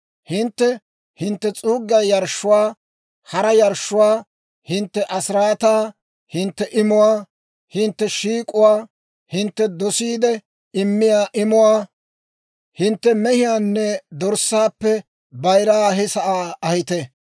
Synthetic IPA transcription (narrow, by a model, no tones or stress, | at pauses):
hɪnt̪ːɛ | hɪnt̪ːɛt͡sʼuːɡːɐjɐɾʃːʊwaː | hɐɾɐjɐɾʃːʊwaː | hɪnt̪ːɛʔɐsɪɾaːt̪aː | hɪnt̪ːɛʔɪmʊwaː | hɪnt̪ːɛʃiːkʼʊwaː | hɪnt̪ːɛd̪ɔsiːd̪ɛ | ɪmːɪjaːʔɪmʊwaː | hɪnt̪ːɛmɛhɪjaːnːɛd̪ɔɾsːaːpːɛ | bɐjɾaːɦɪsɐʔaːɐhɪt̪ɛ